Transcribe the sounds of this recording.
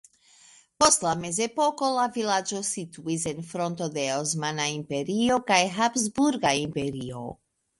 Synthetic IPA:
po̞stlame̞ze̞po̞ko̞lavilad͡ʒo̞sit̪uisenfɾo̞nt̪o̞d̪e̞osmanaimpe̞ɾio̞kajɦapzbuɾɡaimpe̞ɾio̞̰

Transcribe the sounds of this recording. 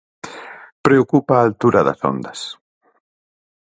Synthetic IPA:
pɾeokupaːlt̪uɾɐðɐ̰so̰nd̪ɐs

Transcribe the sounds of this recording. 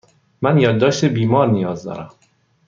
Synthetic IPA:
mænjɒːd̪ːɒːʃt̪ebiːmɒːɾnijɒːzd̪ɒ̰ːɾæm

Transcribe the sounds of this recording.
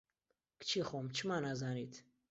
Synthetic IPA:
kt͡ʃʰiːχomt͡ʃʰɨmaːnazaːniːt̪ʰ

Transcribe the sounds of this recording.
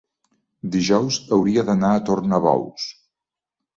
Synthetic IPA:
d̪iʒɔwzəwɾiəðənaət̪ornəβɔ̰ws

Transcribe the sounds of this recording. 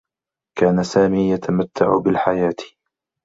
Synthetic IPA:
kaːnasaːmiːjat̪ʰamat̪ːaʕʊbɪlħajaːt̪

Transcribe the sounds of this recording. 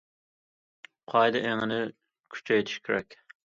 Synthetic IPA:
qʰɑjd̪ɨʔeŋɪnɪ | kʲʰy̥t͡ʃʰɛjt̪ʰi̥ʃkʲʰeɾɛkʲ

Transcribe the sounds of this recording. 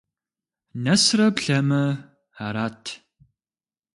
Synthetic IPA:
nɐsrɐpɬɐmɐ | ħaɾaːtʰ

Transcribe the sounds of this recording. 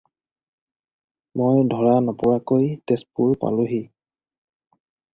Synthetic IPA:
mojdʱɔɹanapʊɹakojtespuɹpa̰lʊɦi

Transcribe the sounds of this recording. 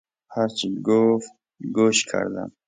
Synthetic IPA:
haɾt͡ʃiɡof | ɡoʃkʰə̰ɾd̪a̰m

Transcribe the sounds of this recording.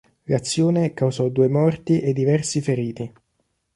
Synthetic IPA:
lat̪sːjoːnekawzɔd̪uːemɔrt̪iʔed̪ːivɛrsifeɾiːt̪i

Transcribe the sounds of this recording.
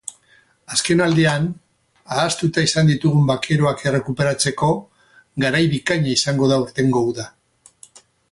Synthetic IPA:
aske̞nald̪ian | aːst̪ut̪aisand̪it̪uɣumbakʰe̞ɾoakere̞kupe̞ɾat͡se̞ko̞ | ɡaɾajβikaɲaisaŋɡo̞ðauɾt̪e̞ŋɡo̞uða

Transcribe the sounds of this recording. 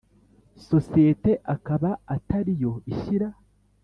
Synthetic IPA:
so̞siete̞ʔakaβaːtaɾijo̞iʃiɾa

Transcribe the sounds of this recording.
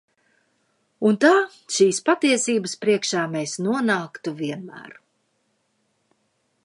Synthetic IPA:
unt̪aː | ʃiːspat̪iɛsiːbəspɾiɛkʃaːmesnuɔnaːkt̪uviɛnmæ̰ːɾ

